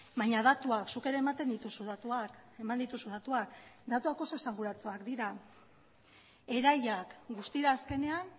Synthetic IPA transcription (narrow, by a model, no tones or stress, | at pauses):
baɲað̞at̪uaksuke̞ɾemat̪e̞nd̪it̪usuðat̪uake̞mand̪it̪usud̪at̪uakd̪at̪uako̞so̞esaŋɡuɾat͡soakd̪iɾa | e̞ɾajakɡust̪iɾaːske̞ne̞an